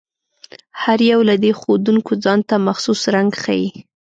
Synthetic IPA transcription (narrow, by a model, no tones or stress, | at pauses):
haɾjawlad̪exod̪uŋkod͡zɑnt̪amaxsusɾaŋɡxa̰ji